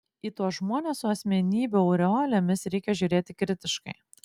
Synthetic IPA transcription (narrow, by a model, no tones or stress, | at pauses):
iːt̪uɔʒmuɔnʲessʊɐsʲmʲɛnʲiːbʲʊɐʊɾʲɛoːlʲɛmʲɪsɾʲɛɪkʲɛʒʲuːɾʲeːt̪ʲɪkɾʲɪt̪ʲɪʃkɐɪ